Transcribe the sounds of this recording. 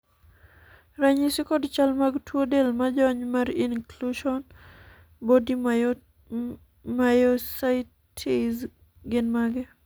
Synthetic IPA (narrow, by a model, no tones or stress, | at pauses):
ɾaɲisikɔdt͡ʃalmaɡtʰwodelmad͡ʒɔɲmaɾinkluʃɔn | bodi | majɔsaj | tʰiz | ɡɪnmaɡɛ